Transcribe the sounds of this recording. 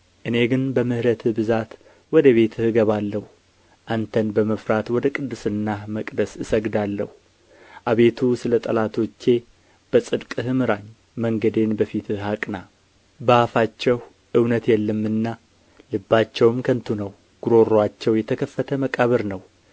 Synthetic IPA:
ʔɨne̞ɡɨnbəmɨhɾət̪ʰɨbɨzat̪ | wɔd̪əβe̞t̪ʰɨhɨɡəβalːəhu | ʔant̪ʰənbəməfɾat̪wɔd̪əkʼɨd̪ːɨsɨnːaməkʼd̪əsɨsəɡd̪alːəhu | ʔaβe̞t̪ʰusɨlət̪ʼəlat̪ʰo̞t͡ʃːe̞ | b̥əsʼɨd̪kʼɨhɨmɨɾaɲː | məŋɡəd̪e̞nbəfit̪ʰɨɦakʼna | bəafat͡ʃːɛh | ʔɨwnət̪jɛlːəmːɨnːa | lɨbːat͡ʃːɛwmkʰənt̪ʰunəw | ɡ̥uɾo̞ɾwat͡ʃːɛwjɛt̪ʰəkʰəfːət̪ʰəməkʼaβəɾnəw

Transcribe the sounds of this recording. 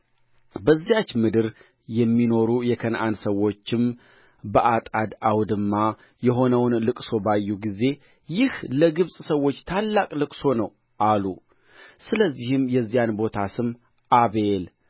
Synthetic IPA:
bəzːijat͡ʃːmɨd̪ɨɾ | jɛmːino̞ɾujɛkʰənʔa̰nsəwo̞t͡ʃːɪm | bəʔat̪ʼad̪awd̪ɨmːa | jɛɦo̞nəwnlɨkʼso̞bajːuɡize̞ | jɪhləɡɨβsʼsəwːo̞t͡ʃːt̪ʰalːakʼlɨkʼso̞nəw | ʔalu | sɨləzːihɨmjɛzːijanbo̞t̪ʰasɨmː | ʔaβe̞l

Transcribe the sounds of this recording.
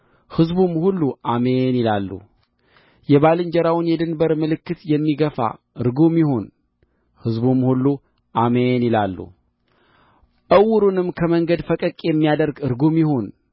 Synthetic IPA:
hɨzbumhulːuʔamenilalːṵ | jɛβalɨɲd͡ʒɛɾawnjɛd̪ɨnbəɾmɨlɨkːɨt̪jɛmːiɡəfa̰ | ɨɾɡumjɪhon | hɨzbumhulːu | ʔamenɪlalːṵ | ʔəwːʊɾunɨmkʰəməŋɡəd̪fəkʼəkʼjɛmːijad̪əɾɡɨɾɡomjɪho̞n

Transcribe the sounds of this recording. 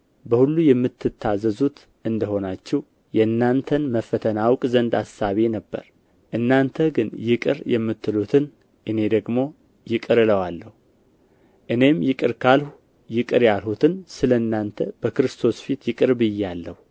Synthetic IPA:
bəhulːujɛmːɨt̪ːɨt̪ʰːazəzut̪ | ʔɨnd̪əho̞nat͡ʃːɛw | jɛɨnːant̪ʰənməfət̪ʰənawkʼzənd̪asːaβe̞nəbːə̰ɾ | ʔɨnːant̪ʰəɡɨnjɪkʼɨ̰ɾjɛmːɨt̪ʰːɨlut̪ʰɨn | ʔɨne̞d̪əɡmo̞ | jɪkʼɨɾɨləwalːəhu | ʔɨne̞mjɪkʼɨɾkʰalhu | jɪkʼɨɾjalhut̪ʰɨnsɨləɨnːant̪ʰəb̥əkɨɾɨst̪ʰo̞sfit̪jɪkʼɨɾbɨjɛalːəhu

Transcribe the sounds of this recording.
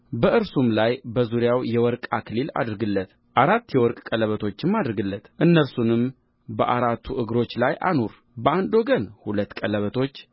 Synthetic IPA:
bəʔɨɾsumlajbəzuɾjawjɛwɔɾkʼakʰɨlila̰d̪ɾɨɡɨlːət̪ | ʔaɾat̪ːjɛwɔɾkʼkʼələβət̪ʰo̞t͡ʃːɪmːad̪ɾɨɡɨlːət̪ʔɨnːəɾsunɨm | bəʔaɾat̪ʰːuʔɨɡɾo̞t͡ʃːlajʔa̰nuɾ | bəand̪o̞ɡənhulət̪ːkʼələβət̪ʰo̞t͡ʃː

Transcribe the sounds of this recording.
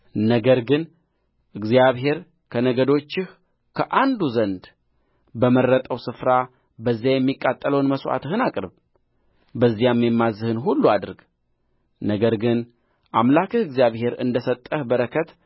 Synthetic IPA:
nəɡəɾɡɨn | ʔɨɡzijaβɦe̞ɾ | kʰənəɡəd̪o̞t͡ʃːɪh | kʰəʔand̪uzənd̪ | bəmərːət̪ʼəwsɨfɾa | bəzːjajɛmːikʼːat̪ʼːələwnməsʔa̰t̪ɨhɨnakʼɾɨβ | bəzːijamːjɛmːazɨhɨnɦulːuad̪ɨɾɡ | nəɡəɾɡɨn | ʔamlakɨhɨɡzjaβhe̞ɾɨ̰nd̪əsət̪ʼːəhbəɾəkʰət̪

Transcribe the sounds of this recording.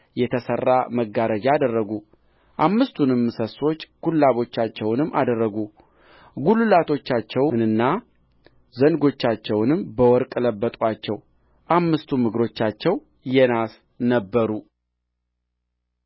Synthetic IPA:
jɛt̪ʰəsərːaməɡːaɾəd͡ʒaaːd̪ərːəɡu | ʔamːɨst̪ʰunɨmːɨsəso̞t͡ʃːɡ̥ulːaβo̞t͡ʃːat͡ʃːɛwnɨmːʔad̪ərːəɡu | ɡulɨlat̪ʰo̞t͡ʃːat͡ʃːɛwnɨnːa | zənɡo̞t͡ʃːat͡ʃːɛwnɨmbəwɔɾkʼɨləbːət̪ʼwat͡ʃːɛw | ʔamːɨst̪ʰumɨɡɾo̞t͡ʃːat͡ʃːɛw | jɛnas | nəbːəɾu

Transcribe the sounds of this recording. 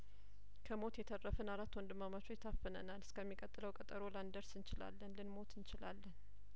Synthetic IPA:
kʰəmo̞t̪jɛt̪ʰərːəfɨnaɾat̪ːwɔnd̪ɨmːamat͡ʃʰoɪt̪ʰːafːɨnə̰nalɨskʰəmːikʼət̪ʼːɨləwkʼət̪ʼəɾo̞land̪əɾsɨnt͡ʃɪla̰lːənlɨnmo̞t̪ʰɨnt͡ʃɪlalːən

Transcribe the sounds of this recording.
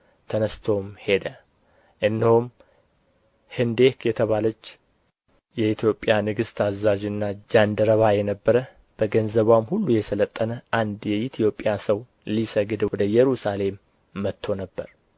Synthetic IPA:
t̪ʰənəst̪ʰo̞mhe̞d̪ə | ʔɨnːihom | hɨnd̪e̞kjɛt̪ʰəβalət͡ʃː | jɛit̪ʰjo̞pʼːjanɨɡɨst̪ʰazːad͡ʒɨnːad͡ʒand̪əɾəβajɛnəbːəɾə | b̥əɡənzəβamhulːujɛsələt̪ʼːənəʔand̪jɛit̪ʰijo̞pʼːjasəw | lisəɡɨd̪wɔd̪əjɛɾusale̞mː | ət̪ʰːo̞nəbːəɾ

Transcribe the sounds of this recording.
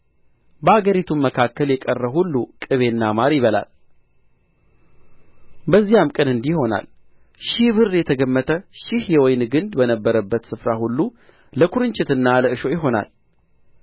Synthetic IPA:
bəaɡəɾit̪ʰumːəkʰakːəljɛkʼərːəhulːukʼɨβe̞nːamaɾjɪβəla̰l | bəzːijamkʼənɨnd̪iho̞na̰l | ʃɪβɨrːjɛt̪ʰəɡəmːət̪ʰəʃɪhjɛwɔjnɡɨnd̪bənəbːəɾəbːət̪sɨfɾahulːu | ləkʰuɾɨɲt͡ʃʼɪt̪ɨnːaləɨʃo̞jɪɦo̞na̰l

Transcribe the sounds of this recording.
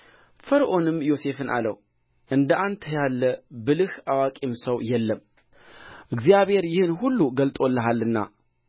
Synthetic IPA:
fəɾʔo̞nɨmjo̞se̞fɨnʔa̰lə̰w | ʔɨnd̪əʔant̪ʰjalːəbɨlɨhawakʼimsəwjɛlːəm | ʔɨɡzijaβhe̞ɾjɪhɨnhulːuɡəlt̪ʼo̞lːəɦalːɨnːa̰

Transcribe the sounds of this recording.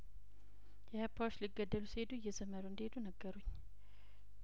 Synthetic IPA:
jɛhapʰːawt͡ʃːliɡːəd̪ːəlusied̪ujɛzəməɾuɨnd̪hed̪unəɡːəɾuɲː

